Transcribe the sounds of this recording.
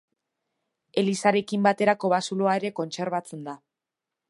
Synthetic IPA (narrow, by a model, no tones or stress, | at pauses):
e̞lisaɾe̞kimbat̪e̞ɾako̞βasuloae̞ɾe̞ko̞nt͡se̞ɾβ̞at͡se̞nd̪a